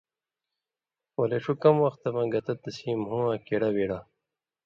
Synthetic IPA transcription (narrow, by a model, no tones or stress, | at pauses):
woleʂukɐmwɐxt̪ɐmɐ̃ɡɐt̪ɐt̪ɐsiːmhũãːkeɽɐwiɽa